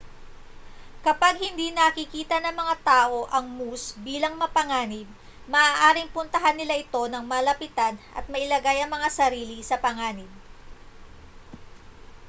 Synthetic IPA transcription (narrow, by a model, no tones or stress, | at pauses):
kɐpaɡ̚hɪnd̪iːnɐkɪkiːt̪ɐnɐŋmɐŋat̪aːʔo̞ʔɐŋmusbiːlɐŋmɐpɐŋaːnɪb̚ | mɐʔaːʔaːɾɪŋpʊnt̪ɐɦanːɪlaʔɪt̪o̞nɐŋmɐlɐpɪt̪anʔɐ̰t̪̚mɐʔɪlɐɡajɐŋmɐŋasɐɾiːlisɐpɐŋaːnɪb̚